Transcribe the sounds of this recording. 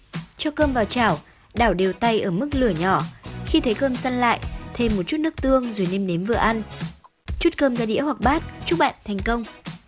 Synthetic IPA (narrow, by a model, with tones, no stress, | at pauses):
t͡ɕɔ˧kəː˧mvaː˨˩wt͡ɕaː˧˩w | ɗaː˧˩wɗe˨˩əwt̪a˧jʔəː˧˩mɨ˦˥k̚lɨ˧˩əɲɔ˧˩xi˧t̪ʰə˨˦jkəː˧msa˧nla̰ː˧˨jt̪ʰe˧mːo˨˩t̚t͡ɕu˦˥t̚nɨ˦˥ək̚t̪ɨ˧əŋzo˨˩jne˧mne˨˦mvɨ̰˨˩˨əʔa˧n | t͡ɕu˦˥t̚kəː˧mzaː˧ɗḭ˧˥əhwa˨˩k̚ɓaː˦˥t̚t͡ɕu˦˥t̚ɓa̰ː˧˨nt̪ʰɛ˨˩jŋ̟kə˧wŋ͡m